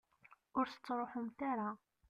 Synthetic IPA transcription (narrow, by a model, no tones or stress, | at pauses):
ʊɾθə̥t͡sːɾˤoħʊmθaɾa